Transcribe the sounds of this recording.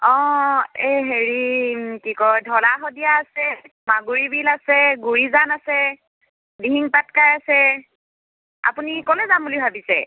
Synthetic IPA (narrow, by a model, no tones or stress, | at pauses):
ɔ̃eɦeɹikikɔjdʱɔlaxɔdijaːsɛ | maɡuɹibʱilasɛɡuɹizanasɛ | diɦiŋpatkajasɛ | a̰punikɔlɛzambulibʱabisɛ̰